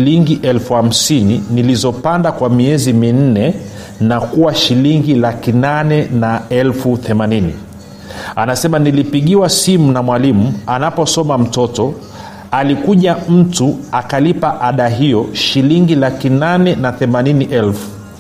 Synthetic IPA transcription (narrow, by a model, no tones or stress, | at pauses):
liŋɡiʔɛlfuham̩sininilizɔpandakwamiɛzimin̩nɛ | nakuwaʃiliŋɡilakinanɛnaɛlfuθɛmaninḭ | anasɛmanilipiɠiwasimunamwalimuanapɔsɔmam̩tɔtɔ | alikuʄam̩tuakalipaʔaɗaɦijɔʃiliŋɡilakinanɛnaθɛmaniniʔɛlfu̥